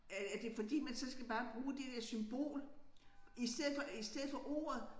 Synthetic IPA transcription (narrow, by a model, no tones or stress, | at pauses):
ææɐd̥e̝fɒ̽d̥ḭːmænsɒ̽sɡ̥æb̥ɑ̈ːb̥ʁuːd̥e̝d̥eɐsymb̥o̝̰ːl | isd̥eð̰̩ˠfɒisd̥eð̰̩ˠfɒ̽ʔo̝̰ːɐð̩ˠ